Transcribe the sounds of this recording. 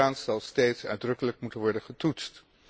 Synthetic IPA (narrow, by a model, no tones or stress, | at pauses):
aːnsɑlˠsteːjtsœ̰ɥdrɵkələkmutənʋɔɹdəχətutst